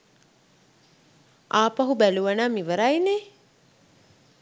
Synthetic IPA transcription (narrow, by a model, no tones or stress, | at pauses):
aːpɐɦubæluʋɐnaːmiʋəɾajne